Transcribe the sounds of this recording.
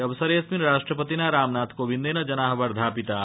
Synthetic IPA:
ɐʋsɐɾeːsminɾaːʃʈɾəpət̪inaɾaːmnaːt̪koːʋind̪enɐd͡ʒɐnaːɦʋɐɾd̪ʱaːpit̪aː

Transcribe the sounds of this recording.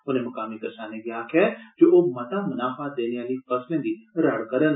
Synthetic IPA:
ʊnɦẽmɐkaːmikɐɾsaːneɡɪjaːkʰɛd͡ʒoːʔoːmɐt̪amʊnaːfaːt̪̚d̪eːneʋaːlifɐslə̃nd̪iɾɐɽkɐɾən

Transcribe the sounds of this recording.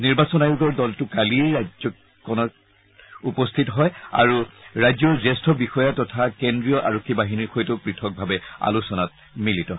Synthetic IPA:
niɹbasɔnajuɡɔɹdɔltʊkaliɛɹazɔ | kɔnɔ | upɔstʰitɔɦɔja̰ɹuɹajzɔɹzɛstʰɔbixɔjatɔtʰakendɹijɔʔa̰ɹɔkʰːibaɦiniɹxojtʊpɹitʰɔk̚bʱabɛa̰lusɔnat̚ | militɔ

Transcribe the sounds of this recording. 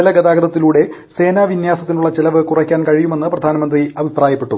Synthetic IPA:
elɐɡɐd̪aːɡɐd̪ɐt̪ːiluːɽe̞ | se̞ːnaːʋinjaːsɐt̪ːinuɭːɐt͡ɕelɐʋɨkurɐkʲːaːnkɐɻijume̞nːɨprɐd̪ʱaːnɐmɐnd̪riɐbʱipraːjɐpːe̞ʈːu

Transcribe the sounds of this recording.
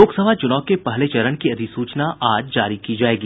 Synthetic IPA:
oːksɐbʱat͡ʃʊnɔːkepɐɦlet͡ʃɐɾənkiɐd̪ʱisuːt͡ʃnaʔaːd͡ʒd͡ʒaːɾikid͡ʒaːeːɡiː

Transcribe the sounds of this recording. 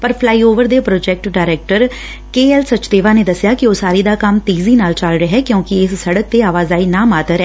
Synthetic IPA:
pəɾpʰlaːiːoːʋəɾd̪eːpɾoːd͡ʒɛːk̚ʈɖaːɾɛːk̚ʈəɾ | keːɛlsət͡ʃt̪eːʋaːneːd̪əsɪjaːkɪoːsaːɾiːd̪aːkəmt̪iːziːnaːlt͡ʃəlɾəɦɛːkjõːkɪɪssəɽək̚t̪eːaːʋaːzaːiːnaːmaːt̪əɾɛ

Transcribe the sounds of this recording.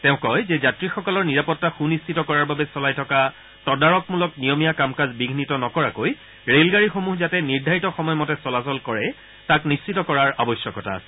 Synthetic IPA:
tɛʊ̃kɔjzɛzatɹixɔkɔlɔɹniɹapɔtːaxunist͡ʃitɔkɔɹaɹbabɛsɔlajtʰɔka | tɔdaɹɔkmulɔknijɔmijakamkazbiɡʱnitɔnɔkɔɹakoj | ɹelɡaɹixomuɦzatɛniɹdʱaɹitɔxɔmɔjmɔtɛsɔlasɔlkɔɹɛ | taknist͡ʃitɔkɔɹaɹabɔsjɔkɔtʰa̰s

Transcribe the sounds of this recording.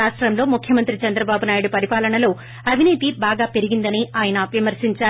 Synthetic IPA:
aːʂʈɾɐmlo̞ːmukʰjɐmɐnt̪ɾit͡ʃɐnd̪ɾɐbaːbunaːjuɽupɐɾipaːlɐɳɐlo̞ː | ɐbʱiniːt̪ibaːɡaːpe̞ɾiɡind̪ɐniaːjɐnɐʋimɐɾsiɲt͡ʃaː

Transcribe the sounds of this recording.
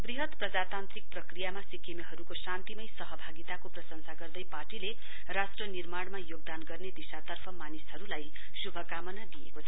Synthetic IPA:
briɦʌt̪prʌd͡zat̪ant̪rik̚prʌkrijamasikemeɦʌɾukosant̪imʌjsʌɦʌbʱaɡit̪akoprʌsʌŋsaɡʌrd̪ʌjparʈile | rasʈrʌnirmaɽmajoɡ̚d̪anɡʌrned̪isat̪ʌrpʰʌmanisɦʌɾulaj | subʱʌkamʌnad̪iḛkot͡sʰʌ

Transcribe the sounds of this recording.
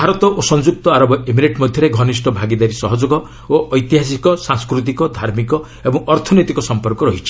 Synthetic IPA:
bʱaɾɔt̪ɔʔosɔ̃nd͡ʒuk̚t̪ɔaɾɔbɔʔemiɾeʈmɔd̪ʱjɔɾeɡʱɔnisʈɔbʱaɡid̪aɾisɔɦɔd͡ʒoɡɔ | oʔɔjt̪iɦas̬ikɔsãŋskɾut̪̬ikɔd̪ʱaɾmikɔ | ebɔŋɔɾt̪ʰɔnɔjt̪ikɔsɔmpɔɾkɔɾɔɦit͡ʃʰi̥

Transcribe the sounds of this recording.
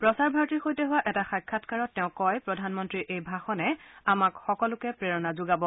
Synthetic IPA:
pɹɔsaɹbʱaɹtixojtɛɦʊwaʔɛtaxajkʰːatkaɹɔtːɛʊ̃kɔjpɹɔdʱanmɔntɹiʔejbʱaxɔnɛamakxɔkɔlʊkɛpɹeɹɔnazʊɡabɔ

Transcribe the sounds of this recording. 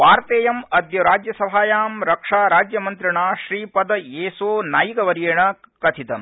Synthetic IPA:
ʋaːɾt̪eːjɐmɐd̪jɐɾaːd͡ʒjɐsɐbʱaːjaːmɾɐkʂaːɾaːd͡ʒjɐmɐnt̪ɾiɳaːʃɾiːpɐd̪ɐeːsoːnaːjiɡɐʋɐɾijeːɳɐkɐt̪ʰit̪ɐm

